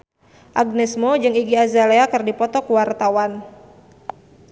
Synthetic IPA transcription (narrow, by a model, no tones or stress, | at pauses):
ʔaɡ̚nɛsmɔd͡ʒɨŋiɡiazaleakərdipɔt̪ɔkuwart̪awan